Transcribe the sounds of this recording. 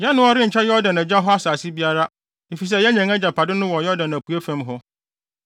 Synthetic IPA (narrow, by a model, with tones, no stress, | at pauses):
ɲɛ̃˦nʊ̃˦ɔ˦ɾɪ˦ɲ̩˨t͡ɕʰɛ˦jɔ˦dã˨næ˨d͡ʑa˦ɦɔ˦a˦saː˨sɪ˦bi˦a˦ɾa˦ | e˨fi˨s̬ɛ˦˨jɛ˦ɲã˨ŋa˦d͡ʑa˨pʰa˨dɪ˦nʊ̃˦wɔ˨jɔ˦dã˨næ˨kʰu˨æ˦fã˦mɦɔ˦